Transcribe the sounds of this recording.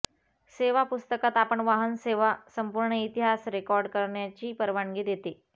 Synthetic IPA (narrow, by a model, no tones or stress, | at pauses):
seʋapust̪əkat̪apəɳʋaɦənseʋasəmpuɾɳəit̪iɦasɾekɔɾɖkəɾɳjat͡ɕiːpəɾʋaŋɡiːd̪jet̪e